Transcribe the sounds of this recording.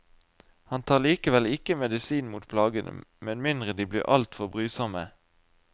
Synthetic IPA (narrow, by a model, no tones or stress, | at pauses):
hɑnt̪ʰɑːʁliːkəʋɛlɪkəmɛd̪ɪsiːnmuːt̪̚pʰlɑːɡənʔə̰mɛnmɪnd̪ʁəd̪iːblḭːʁʔɑ̰lt̪fɔʁbʁyːsɑmə